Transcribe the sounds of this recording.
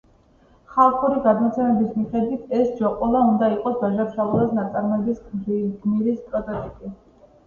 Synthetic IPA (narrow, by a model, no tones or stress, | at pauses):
χalˠχuɾiɡad̪mɔt̪sʰɛmɛbismiχɛd̪wit̪ʰɛsd͡ʒɔqʼɔlˠaund̪aiqʼɔsbaʒaɾʃaulˠasnat̪sʼaɾmɛbisɡɡmiɾispʼɾɔt̪ʼɔt̪ʼikʼi